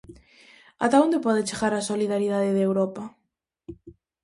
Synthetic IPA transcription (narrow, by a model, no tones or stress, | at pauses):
a̰t̪aond̪epɔðet͡ʃeɣaɾasoliðaɾið̞aðɪðewɾɔpa